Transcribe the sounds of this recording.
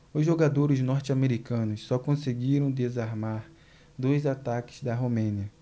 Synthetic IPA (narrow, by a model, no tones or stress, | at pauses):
ʊzʒoɡad̪oɾɪznɔɾt͡ʃameɾikɐ̃nʊssɔkõseɡiɾɐ̃w̃d̪ezaɾmaɾ | d̪ojzat̪akɪ̥zd̪ɐɦomẽniɐ